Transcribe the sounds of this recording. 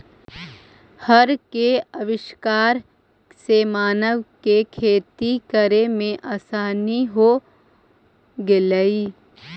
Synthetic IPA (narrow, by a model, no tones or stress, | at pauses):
həɾkeəʋɪʃkaːɾ | semaːnəʋkekʰeːt̪ikəɾemẽʔaːsaːniɦo | ɡɪləiː